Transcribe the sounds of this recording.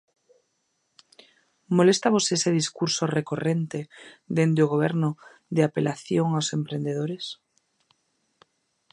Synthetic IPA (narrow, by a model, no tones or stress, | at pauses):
molest̪aβoseeseðiskuɾsorekorent̪ed̪end̪eoɣ̞oβ̞eɾno | ðeapelaθjoŋawsempɾend̪eð̞oɾes